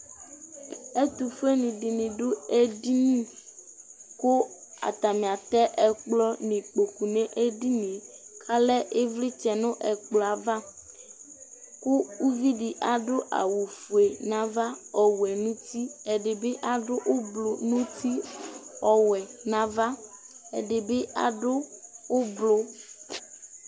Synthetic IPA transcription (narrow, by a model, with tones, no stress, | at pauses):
e˦t̪u˨fu˦e˦nĩ˨di˨nĩ˨ɖʊ˦e˦di˦nĩ˦ | ko˦a̰˨t̪a˨mĩ˨a˨t̪ɛ˦ʔɛ˨k͡plɔ˦nĩ˨k͡po˨ku˨nɛ̃˦ʔe˦di˦nĩ˨kʰa˦lɛ˦ʔe˦vli˦t͡ʃɛ˨nʊ̃˦ʔɛ˨k͡plɔ˨a˨va˦ | kʊ˦u˦vi˦di˨ʔa˨ɖʊ˦ʔa̰˨wu˨fu˨e˨nã˨va˦ɔ˨wu˨ɛ˨nũ˦t̪i˦ɛ˨dɪ˨be˦ʔa˨ɖʊ˦ʔʊ˦blo˨nũ˦t̪i˦ɔ˨wɛ˨nã˦va˦ | ɛ̰˨ɖɪ˨bɪ˦ʔa̰˨ɖʊ˦ʊ˦blʊ˦